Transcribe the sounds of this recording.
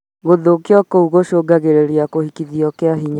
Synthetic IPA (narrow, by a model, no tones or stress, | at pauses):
ɣoðokeɔkouɣoʃoːɡaɣeɾeɾiakohikiðiɔkeaɦiɲa